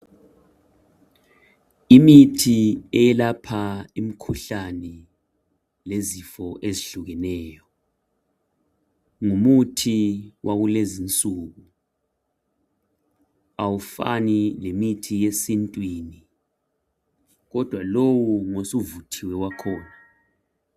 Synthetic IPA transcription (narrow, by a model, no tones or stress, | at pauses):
imitʰiɛjɛlapʰaimikʰuɬanɛ | lezifɔʔeziɬuɣɛnɛːjɔ | ŋumutʰiwʔaɣulezint͡sʼuːɣu | awufa̰nilemitʰijesintʼwiːni | ɣɔd̥ʱwalowuŋosuvutʰiwɛwakʰɔːna